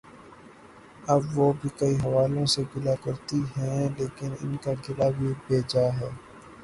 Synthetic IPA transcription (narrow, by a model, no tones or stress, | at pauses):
ɐbʋobʱikɐiɦɐʋaːlõseɡɪlakɐɾt̪iɦɛ̃leːkɪnɪ̰nkaɡɪlabʱibʱeːd͡ʒaɦɛː